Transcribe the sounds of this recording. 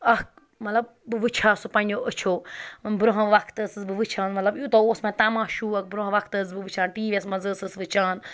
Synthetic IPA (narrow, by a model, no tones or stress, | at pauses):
ɐk̚ | mɐt̪lɐb̚ | bɨʋɨt͡ʃʰaːsupɐ̃nʲd͡ʒoʔət͡ʃʰoːbɾoɦɐ̃ʋɐkʰt̪ɐsɨsbɨʋɨt͡ʃʰaːnmɐt̪lɐbjut̪ɐoːsmãt̪aːmãːʃuːɐk̚bɾoɦɐ̃ʋɐkʰt̪əs̬bɨʋɨt͡ʃʰaːnʈiːʋʲesmɐzɨsɨsʋɨt͡ʃʰaːn